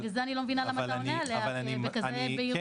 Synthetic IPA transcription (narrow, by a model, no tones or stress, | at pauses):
kazeanilomevinalamaaonealea | bekazebei